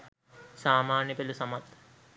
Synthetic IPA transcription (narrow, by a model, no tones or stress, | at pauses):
saːmaːnjɐpelusɐmat̪